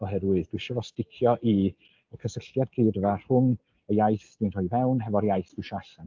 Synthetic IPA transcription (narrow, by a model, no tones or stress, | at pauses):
ɔɦɛdwɨðd̥wɪʃɔvɔstɪkʰjɔʔi | əkʰəsəɬjad̚ɡriːdəvar̥ʊn | əjajθdinr̥ʊjvɛwnɦɛvɔɾjajθd̥wɪʃaɬan